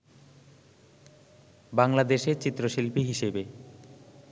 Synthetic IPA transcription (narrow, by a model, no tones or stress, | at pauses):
baŋlad̪eʃeɾt͡ɕit̪ːɾoʃilpiɦiʃebe